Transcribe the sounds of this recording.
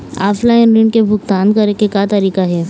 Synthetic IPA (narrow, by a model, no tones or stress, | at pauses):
a̰ːflaɪnɾɪɳkebʱʊkt̪aːnkɐɾekekat̪ɐɾiːkaɦɛː